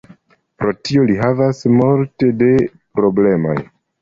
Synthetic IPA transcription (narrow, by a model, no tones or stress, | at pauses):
pɾo̞tio̞liɦavasmulte̞de̞ | pɾo̞ble̞mo̰j